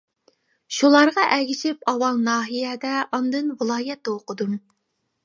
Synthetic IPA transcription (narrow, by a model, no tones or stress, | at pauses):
ʃulˠɑɾʁɑʔɛɡʲiʃɪpɑwɑlˠnɑːɦijɛd̪ɛɑnd̪ɨnwɨlˠɑːjɛt̪ːɛoqʰəd̪um